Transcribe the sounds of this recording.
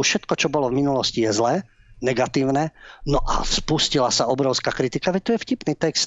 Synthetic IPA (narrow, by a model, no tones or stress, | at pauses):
uʃɛt̪kɔt͡ʃɔbɔlɔvminulɔscijɛzlɛː | nɛɡat̪iːʊnɛnɔʔa̰spuscilasaɔbɾɔʊskakɾit̪ikaʋɛc̚t̪ɔjɛfcipniːt̪ɛkst̪̚